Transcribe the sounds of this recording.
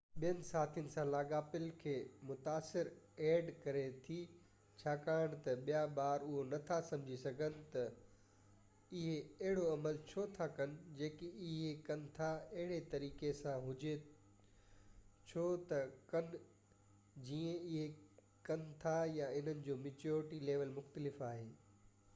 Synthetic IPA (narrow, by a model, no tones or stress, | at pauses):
ɓijənɪ̆saːt̪ʰijʊnɪ̆sãlaːɡaːpɪlkʰeːmʊt̪aːsɪɾ | ɛːɖkɐɾet̪ʰi | t͡ɕʰaːkaːɪɽ̃t̪ɐɓijaɓaːɾʊɦonɐt̪ʰasɐ̃md͡ʑʱisɐɡʱənɪ̆t̪ɐ | ɪɦeɐɦɪɽoɐməlt͡ɕʰoːt̪ʰakɐnɪ̆d͡ʑeːkiɪɦekɐn̆t̪ʰaɐɦɪɽ̃et̪ɐɾiːkesãɦʊd͡ʑe | t͡ɕʰoːt̪ɐkɐnɪ | d͡ʑiːə̃ɪɦe | kɐnt̪ʰajaɪn̤ənɪ̆d͡ʑoːmɪːt͡ɕoːɾɪʈileːʋəlmʊxt̪əlɪfaːɦeː